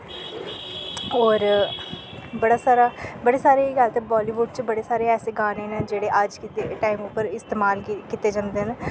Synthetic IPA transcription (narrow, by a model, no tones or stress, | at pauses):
ɔːɾ | bəɽaːsaːɾaːbəɽeːsaːɾeːɡalt̪ebaːliːʋʊɖt͡ʃbəɽeːsaːɾeːɛːseːɡaːneːned͡ʒeːɽeːʔəd͡ʒkit̪eʈaːimʊpːəɾɪst̪eːmaːlkit̪eːd͡ʒãːnd̪eːne